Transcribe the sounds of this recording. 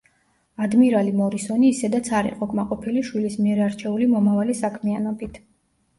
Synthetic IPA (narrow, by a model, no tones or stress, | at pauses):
ad̪miɾalimɔɾisɔniːsɛd̪at̪sʰaɾḭqʼɔkʼmaqʼɔpʰiliʃwilismiɛɾaɾt͡ʃʰɛulimɔmavalisakʰmianɔbit̪ʰ